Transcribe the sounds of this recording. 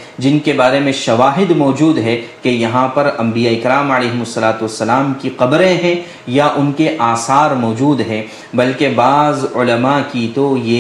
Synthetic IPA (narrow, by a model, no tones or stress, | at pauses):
d͡ʒɪnkebaːɾemẽʃɐʋaːɦɪd̪mɔːd͡ʒuːd̪ɦɛkejɐɦãpɐɾɐ̃mbijaeɪkɾaːməleːɦɪmʊsːɐlaːt̪uʋɐsːɐlaːmkiqɐbɾẽɦɛ̃ | jaʔʊnkeʔaːsaːɾmɔːd͡ʒuːd̪ɦɛ̃ | bɐlkebaːzʊləmakit̪ojeː